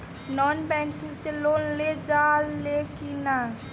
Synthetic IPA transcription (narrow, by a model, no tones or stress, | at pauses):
nɔnbɛ̃ŋkiselonled͡ʒalːekina